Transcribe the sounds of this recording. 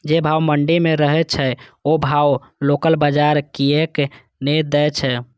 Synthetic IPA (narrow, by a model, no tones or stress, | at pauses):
d͡ʒebʱawməɳɖimeɾəɦɛt͡ʃʰɛobʱaw | lokəlbəd͡ʒaɾkiek | ned̪ɛt͡ʃʰɛ